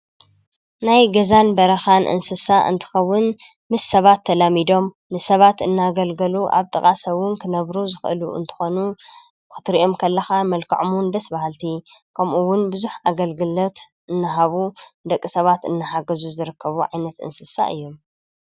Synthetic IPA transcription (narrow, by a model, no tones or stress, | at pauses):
najɡɐzanbɐɾɐxanʔɨ̰nsɨsaʔɨ̰nt̪ʰɨ̥xɐwːʊn | mɨsːɐβat̪ʰːɐlamid̪o̞m | nɨsɐβat̪ɨnːaɡɐlɡɐluʔa̰βt̪ʼɨkʼasɐwʊnkʰɨnɐβɾuzɨxʔɨ̰luɨ̰nt̪ʰɨ̥xo̞nu | kʰɨ̥t̪ɾiʔo̞mkʰɐlːɐxamɐlkʰɐʕomʊnd̪ɐsbahalt̪ʰikʰɐmʔuwːʊnbɨzuħaɡɐlɡɨlo̞t̪ | ʔɨnːɨɦaβud̪ɐkʼːɨsɐβat̪ɨ̰nːɨħaɡɐzuzɨɾɨkʰːɐβuʕajnɐt̪ɨ̰nsɨsa̰ʔɨ̰jːom